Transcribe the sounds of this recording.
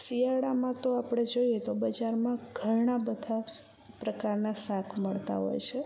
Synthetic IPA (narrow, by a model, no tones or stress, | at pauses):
sijaɽamãt̪oapɽ̃ed͡ʒojet̪obəd͡ʒaɾmãɡ̥ʱəɾɳabəd̪ʱa | pɾəkaɾnasakʰməɭt̪a̰ɦɔ̰jt͡ʃʰe